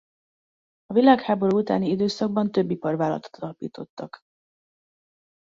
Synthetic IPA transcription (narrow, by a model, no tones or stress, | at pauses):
ɒvilaːkhaːbo̞ɾuːut̪a̰ːniid̪øːsɒɡ̚bɒnt̪ø̞bːipɒrvaːlɒ̰t̪t̪ʰɒlɒpḭːt̪o̞t̪ːɒk